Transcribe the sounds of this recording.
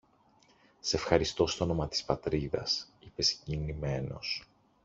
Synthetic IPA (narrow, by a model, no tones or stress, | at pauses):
seefxɐɾist̪o̞st̪ono̞mɐt̪i̥spɐt̪ɾiðɐ̰sipe̞scinime̞no̞̰s